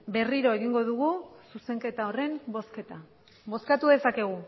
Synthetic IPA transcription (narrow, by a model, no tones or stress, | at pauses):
be̞riɾo̞e̞ɣiŋɡo̞ðuɣususe̞ŋke̞t̪ao̞re̞mbo̞ske̞t̪a | bo̞skat̪uðe̞sake̞ɣ̞u